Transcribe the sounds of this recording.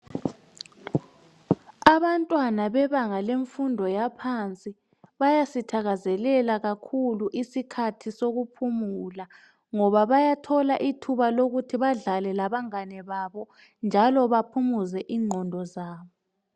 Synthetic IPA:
aβantʼwanaβɛβaŋaleɱfundʱɔjapʰant͡sʼi | βajasitʰaɣazɛlɛlaɣakʰuluʔisikʰatʰisoɣupʰumula | ŋɔβaβajatʰɔlaʔitʰuβaloɣutʰiβaɮalɛlaβaŋanɛβaβɔ | nd͡ʒʱalɔβapʰumuzɛʔiːŋ͡ǃʱɔndʱɔzaːβɔ

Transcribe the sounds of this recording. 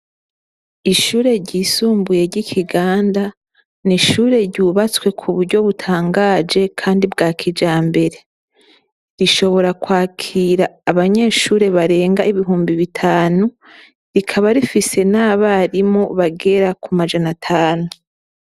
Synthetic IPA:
iʃuːɾe̞ɾɟiːsuːmbuje̞ɾɟikʰiɡaːnda | niʃuːɾe̞ɾɟuːβat͡swe̞kʰuβuɾɟo̞βutʰaːŋɡaːd͡ʒe̞kʰaːndibɡaːkʰid͡ʒaːmbe̞ɾe̞ | ɾiʃo̞βo̞ɾakwaːkʰiɾaːβaɲe̞ːʃuːɾe̞βaɾe̞ːŋɡaiβiɦuːmbiβitʰaːnu | ɾikʰaβaɾifise̞naβaɾimo̞βaɡe̞ɾakumad͡ʒanatʰaːnu

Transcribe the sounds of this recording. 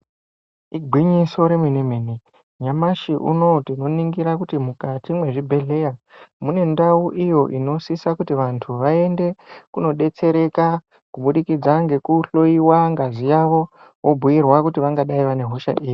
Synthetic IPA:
iɡʱwiɲiso̞ɾe̞mwinemeːni | ɲamaʃiʔṵno̞tino̞niŋɡiɾakutimukatimwe̞ʐibʱe̞ɮe̞jamune̞ndauʔijo̞ʔino̞sisakutiʋantʰuʋae̞nde̞kuno̞ɗe̞t͡se̞ɾe̞ka | kuɓuɗikid͡zaŋɡe̞kuɬo̞iwaŋɡazijaʋo̞ | wʔobʱuirwakutiʋaŋɡaɗaiʋane̞ɦo̞ʃa̰ʔiːji

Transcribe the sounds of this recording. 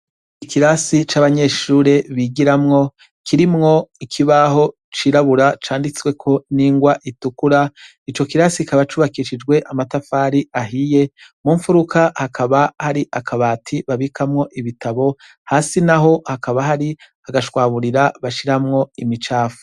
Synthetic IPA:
ikiɾasit͡ʃaːβaɲe̞ːʃuːɾe̞βiɡiɾamŋo̞ | kʰiɾimŋo̞ikʰiβaɦo̞ | t͡ʃiːɾaβuɾat͡ʃaːndit͡swe̞kʰo̞niːŋɡwaʔitukuɾa | it͡ʃo̞kiɾasikaβat͡ʃuːβakiʃid͡ʒɡwe̞ʔamatafaːɾiaɦije̞muːɱfuɾukahakʰaβahaɾiʔakʰaβaːtʰiβaβikʰamŋo̞ʔiβitaβo̞ | haːsinaɦo̞hakaβaɦaɾi | aɡaʃwaːβuɾiɾaβaʃiɾamŋo̞imit͡ʃaːfu̥

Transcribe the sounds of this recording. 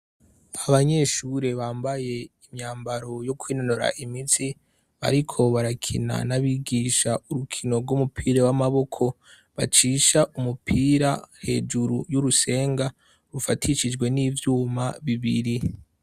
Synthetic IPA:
aβaɲe̞ʃuɾe̞βaːmbaje̞imɲaːmbaɾo̞jo̞kwiːnonoɾa̰ʔimit͡si | βa̰ɾikʰo̞βaɾakʰḭna̰naβiɡiʃauɾukʰino̞ɾɡumupʰiːɾawamaβo̞kʰo̞ | βat͡ʃiːʃaʔumupʰiːɾahe̞̰ːd͡ʒuɾujuɾuse̞ːŋɡa | βufatʰiʃid͡ʒɡwe̞nivjuːmaβiβiɾi

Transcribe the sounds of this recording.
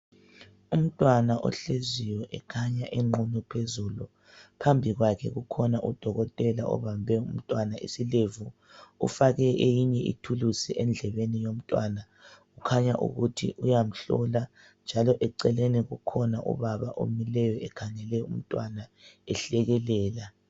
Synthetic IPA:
um̩tʼwanaʔɔ̰ɬezijɔʔɛkʰaɲaʔɛŋ͡ǃʱunupʰezulu | pʰambʱiɣwakʰɛɣukʰɔnaʔud̥ʱɔɣɔtʼɛlaɔ̰βambʱɛum̩tʼwanaḭsilevu | ṵfaɣɛʔejiɲɛʔḭtʰulusiʔɛnd͡ɮʱɛβenijom̩tʼwana | ɣukʰaɲaʔṵɣutʰḭʔujam̩ɬɔla | nd͡ʒʱalɔʔɛǀɛleniɣukʰɔnaʔṵβaβaʔo̰milɛjɔɛkʰaŋɛlɛṵm̩tʼwanaɛɬɛɣɛlɛːla

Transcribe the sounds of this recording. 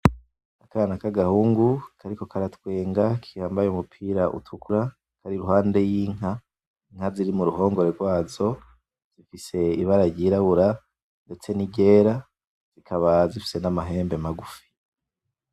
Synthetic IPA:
akanakaɡahuːŋɡukʰaɾiko̞kaɾatwe̞ːŋɡakʰihaːmbajeumupʰiːɾaʔṵtʰukuɾa | kʰaɾiɾuɦaːnde̞jiːŋ̥a | ŋ̥haziɾimuɾuɦo̞ːŋɡo̞ɾe̞ɾɡwaːzo̞ | z̥ifise̞iβaɾaɾɟiɾaβuɾa | nde̞t͡se̞niɟe̞ːɾa | z̥ikʰaβazifi̥se̞namaɦe̞ːmbe̞maɡufi̥

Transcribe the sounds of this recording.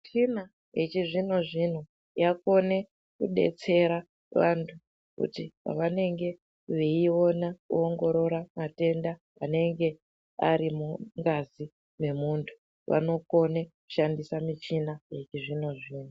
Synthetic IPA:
t͡ʃina | jet͡ʃiʐino̞ʐin̤u | jako̞ne̞ | kuɗe̞̰t͡se̞ɾa | ʋantʰu | kṵtipa̰ʋane̞ŋɡe̞ | ʋeio̞nakṵoŋɡo̞ɾo̞ɾamate̞nda | ʋane̞ŋɡe̞ | a̰ɾimuŋɡazi | me̞muːntʰu̥ | ʋa̰no̞ko̞neku̥ʃandisamit͡ʃinaje̞t͡ʃiʐino̞ʐiːn̤u

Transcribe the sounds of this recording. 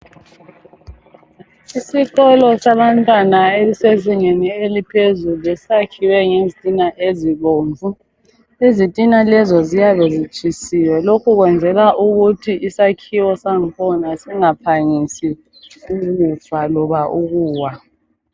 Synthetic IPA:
isiɣɔlɔsaβantʼwanaeliseziŋenielipʰezulɛssakʰiwɛŋezitʼinaʔeziɣoːɱvʱu | ezitʼinalɛzɔzijaβezit͡ʃʼʰisiwɛlokʰuɣwɛnd͡zʱɛlaʔuɣutʰiʔisakʰiwɔsaŋkʰɔnasɛŋapʰaŋisi | uɣutʰʼwalɔβaʔuɣuːwa

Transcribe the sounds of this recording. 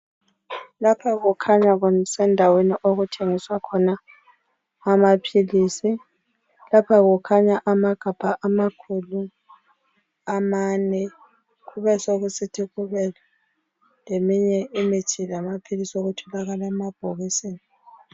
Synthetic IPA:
lapʰaɣukʰaɲaɣunsɛndʱaweniʔoɣutʰeŋiswakʰɔnaː | mapʰiliːsi | lapʰaɣukʰaɲaʔamaɡ̥ʱab̥ʱaʔamakʰulu | amanɛ | ɣuβɛsoɣusitʰiɣuβɛl | lemiɲɛimit͡ʃʰilamapʰilisioɣutʰɔlaɣalɛmab̥ʱoɣiseːni

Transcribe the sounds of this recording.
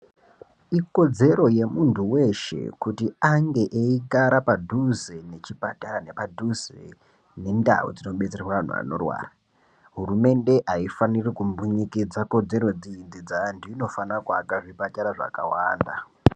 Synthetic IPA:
iko̞d͡ze̞ɾo̞je̞muntʰuwe̞ʃe̞̰kutiaŋɡe̞ʔeiɡaɾapadʱuzene̞t͡ʃipataɾane̞padʱuzḛ | ne̞nda̰o̰d͡zino̞ɓe̞t͡se̞rwaʋan̤ṵa̰no̞̰rwa̰ːra | ɦurume̞nde̞ʔaifanirikumbuɲikid͡zako̞d͡ze̞ɾo̞d͡zind͡zid͡zandiino̞fanaka̰kaʐibataɾaʐa̰ka̰wa̰ːnda̰

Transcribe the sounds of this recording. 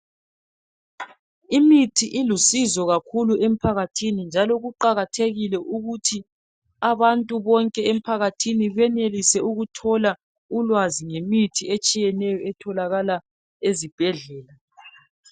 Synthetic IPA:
imitʰiʔilusizɔɣakʰuluʔem̩pʰaɣatʰinind͡ʒʱalɔɣuǃaɣatʰeɣilɛʔuɣutʰi | aβantʼuβɔŋkʼɛem̩pʰaɣatʰiniβɛnelisɛuɣutʰɔla | ulwaziŋemitʰiet͡ʃʼijɛnɛjɔɛtʰɔlaɣala | ezib̥ʱɛɮɛːla

